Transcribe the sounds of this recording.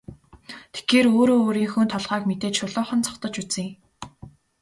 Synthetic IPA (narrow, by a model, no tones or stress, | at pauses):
t̪ʰe̥xeːɾoːɾoːɾiːŋxunt̪ʰɔɮʁaːkmet̪eːt͡ɕʃʊɮʊːχə̆nt͡sʰɔ̥χt̪ɞ̆t͡ɕut͡sɘ̆ŋe